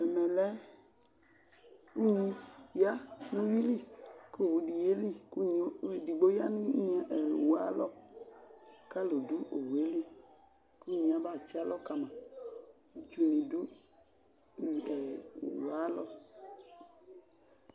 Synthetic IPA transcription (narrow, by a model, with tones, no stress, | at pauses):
ɛ˨mɛ˨lɛ˦ | u˦ɲi˧ja˦nu˦ji˦li˦˨ko˦˨wu˨˧di˨je˦li˦˨ku˦ɲ˧˦˨di˨ɡ͡bo˦ja˦nĩ˦ɲ˦a˨ʔɛ˨wa˦lɔ˦ | ka˦lo˨du˦ʔo˨we˦li˦˨ | ku˦ɲĩ˧˨a˨ba˦˨t͡ʃi˦a˦lɔ˦ka˧mã˨ | d͡ʒu˧nĩ˨du˦˨ | ɛ̰˨wa˦lɔ˦